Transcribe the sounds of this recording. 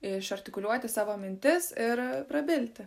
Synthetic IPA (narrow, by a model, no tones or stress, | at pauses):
ɪʃɐɾʲt̪ʲɪkʊlʲuɔt̪ʲɪsɑːʋoːmʲɪnʲt̪ʲɪsɪɾpɾɐbʲɪlʲt̪ʲɪ